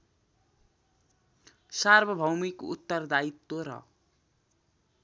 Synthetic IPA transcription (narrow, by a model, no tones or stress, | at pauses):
sarbʱʌbʱʌwmikṵt̪ːʌrd̪ait̪ːoɾʌ̰